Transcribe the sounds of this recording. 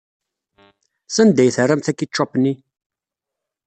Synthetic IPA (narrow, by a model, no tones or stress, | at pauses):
sænd̪æjθərːæmθækːit͡ʃːɑpnːi